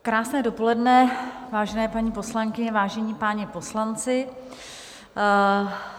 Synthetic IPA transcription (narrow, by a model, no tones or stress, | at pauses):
kɾaːsnɛːdo̞po̞lɛdnɛvaːʒɛnɛːpaɲiːpo̞slaŋkɪɲɛvaːʒɛɲipaːɲɛpo̞slant͡sɪ